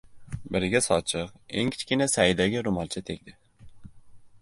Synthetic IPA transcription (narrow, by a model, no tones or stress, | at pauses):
bɪɾɪɡʲɛsɑt͡ʃʰɨqḛŋkʲʰi̥t͡ʃkʲinɛsæid̪ɛɡʲɛɾʊmɑlˠt͡ʃʰɛt̪ʰekʲd̪ɪ